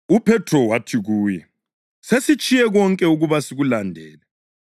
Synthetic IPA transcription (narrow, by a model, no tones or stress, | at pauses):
upʰɛtʰrɔwatʰiɣuːjɛ | sesit͡ʃʼijɛɣɔŋkʼɛuɣuβasiɣulandʱɛːlɛ